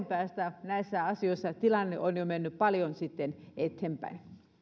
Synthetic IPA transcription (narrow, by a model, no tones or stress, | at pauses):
mpæːst̪ænæisːæɑsioisːɑt̪ilɑnːeʔonjomenːyppɑljonsit̪ːenet̪hempæ̰in